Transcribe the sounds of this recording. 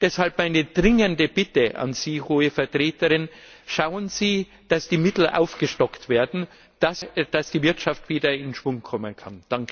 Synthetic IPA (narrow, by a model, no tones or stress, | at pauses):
d̥ɛshalpmaɪnəd̥ʁɪŋəndəb̥ɪtəʔa̰nz̥iːhoːəfɛɐtʁ̥eːtəʁɪn | ʃaʊənz̥iː | d̥asd̥iːmɪtl̩ʔa̰ʊfɡ̥əʃtɔktv̥eːɐdn̩ | d̥asd̥asd̥iːvɪɐtʃaftv̥iːdɐɪnʃv̥ʊŋkʰɔmənkʰand̥aŋk